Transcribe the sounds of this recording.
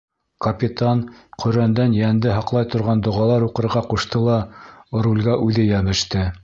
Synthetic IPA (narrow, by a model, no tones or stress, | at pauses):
kɐpʲit̪ɑnqɵ̆ɾænd̪ænjænd̪ɘɦɑqlˠɑjt̪ŏɾʁɑnd̪ŏʁɑlˠɑɾuqɤ̆ɾʁɑquʃt̪ɤlˠɑŏɾulʲɡæʔʉðɘjæmɘ̆ʃt̪ɘ